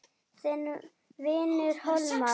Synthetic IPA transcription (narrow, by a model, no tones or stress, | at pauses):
θɛn | vɪːnʏɾ̥hɔlma